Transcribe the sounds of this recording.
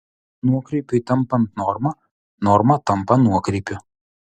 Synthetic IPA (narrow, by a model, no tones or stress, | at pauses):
nuɔkɾʲɛɪpʲʊɪt̪ɐmˑpɐnt̪nɔɾmɐ | nɔɾmɐt̪ɐmˑpɐnuɔkɾʲɛɪpʲʊ